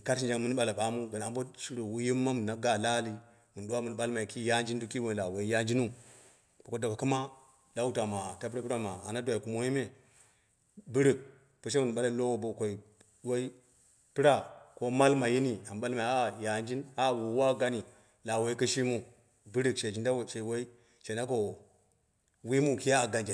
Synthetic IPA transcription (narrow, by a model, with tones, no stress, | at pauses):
ka˦ʃ̬i˨nd͡ʒa˦mu˦n˦ɓa˨la˨ɓa˨mu˦ɡa˨n˨a˨bo˦ʃi˦ɾo˨wu˦ji˦mːa˦m˨na˨ɡa˨la˦li˦ | mu˨n˨ɗu˦wa˦mu˨n˨ɓa˦lma˨i˨ki˦ja˦nd͡ʒi˦ndu˦ki˦wo˦n˨la˨wo˨i˦ja˦nd͡ʒi˦nu˦ | bo˨ko˦da˨ka˨ku˦ma˦ | da˦u˦ta˨ma˨ta˦pɾa˦pi˦ɾa˦ma˨a˨na˦dʷa˨i˨ku˨mo˦ji˦me˦ | bu˦ɾi˨k̚ | pu˨ʃ̬e˦mu˨ɓa˦la˦lo˦wo˨bo˨kʷo˨i˨ | wa˦i˦ | pi˦ɾa˨ko˦ma˦lma˨ji˦ni˦˨a˨mba˦lma˨˦a˦ja˨nd͡ʒi˦na˦˨wu˨wa˦ɡa˦ni˨ | la˨wa˨i˦ki˦ʃi˦mu˨ | bɨ˦ɾi˨kʃe˨d͡ʒi˦nda˦wʃe˨wa˦i˦ | t͡ʃe˨na˦ko˨ | wi˦mu˦˨ki˦a˦˨ɡa˨nd͡ʒa˨